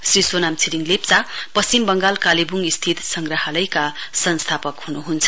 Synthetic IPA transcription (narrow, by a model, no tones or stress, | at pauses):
srisonamt͡sʰiɾiŋlept͡sapʌsimbʌŋɡalkalibuŋist̪ʰit̪sʌŋɡrʌɦʌlʌjkasʌnst̪ʰapʌkɦunuɦunt͡sʰʌ̥